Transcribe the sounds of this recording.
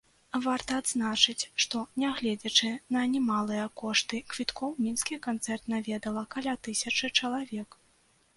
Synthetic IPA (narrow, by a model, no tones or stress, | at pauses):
vart̪ɐːd̪znat͡ʂɨt͡sʲʂt̪ɔnʲɛɣlʲɛd͡zʲɐt͡ʂɨnɐnʲɛmalˠɨjɐkɔʂt̪ɨkvʲit̪kʰɔwmʲinskʲikant̪sɛrt̪navʲɛd̪ɐlˠɐkalʲat̪ɨsʲɐt͡ʂɨt͡ʂɐlˠavʲɛk